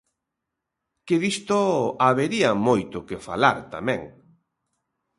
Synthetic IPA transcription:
keðist̪oaβeɾiamojt̪ʊkefalaɾt̪a̰mɛ̃ŋ

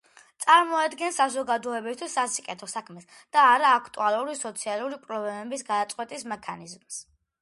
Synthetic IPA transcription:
t̪sʼaɾmɔad̪ɡɛnsazɔɡad̪ɔɛbist̪ʰwisːasikʼɛt̪ʰɔsakʰmɛs | d̪̥aːɾaːkʰt̪ʼṵalˠuɾisɔt̪sʰialˠuɾipʼɾɔblɛmɛbis̬ɡad̪at̪sʼqʼwɛt̪ʼismɛkʰanizms

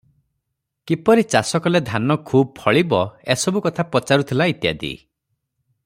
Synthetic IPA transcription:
kipɔɾit͡ʃasɔkɔled̪ʱanɔkʰub̚pʰɔɭibɔesɔbukɔt̪ʰapɔt͡ʃaɾut̪ʰilait̪ja̰d̪ḭ

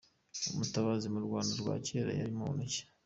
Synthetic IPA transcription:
omutaβazimuɾɡwaːndaɾɡwa̰ːceːɾa̰jaɾimonuce̥

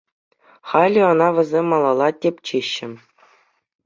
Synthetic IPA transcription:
χɑlʲiɤ̆nɑʋʲɘ̆zʲemʲːɑlˠɑlˠɑtʲepʲt͡ɕeɕːɘ̆

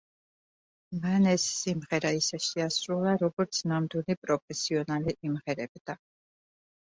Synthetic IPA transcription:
manɛsːimʁɛɾaisɛʃiasɾulˠaɾɔɡɔɾt̪sʰnamd̪wilipʼɾɔpʰɛsiɔnaliʔːmʁɛɾɛbd̪̥a

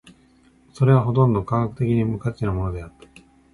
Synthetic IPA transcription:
so̞ɾe̞β̞aɦo̞t̪õ̞nd̪o̞kakakɯ̟t̪e̞kʲiɲ̟imɯ̟kat͡ɕinamo̞no̞d̪e̞at̪ːḁ

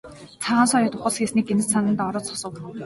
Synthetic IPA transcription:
t͡sʰaʁaːnsɔjɔːt̪ʊχə̆ɮsxesniːɡenɘ̆sanə̆nt̪ɔɾɔːsɔ̥sə̆w

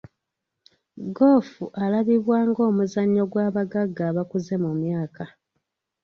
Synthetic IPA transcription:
ɡo̞ːfuʔalaβiβwaːŋɡo̞ːmuzaɲːo̞ɡwaːβaɡaɡːaːβakuze̞mumjaːka

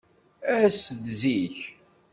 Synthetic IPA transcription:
æsəd̪ziç

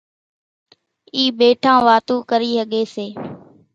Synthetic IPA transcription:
iːɓeːʈʰãːʋaːt̪uːkəɾiːsəɠeːseː

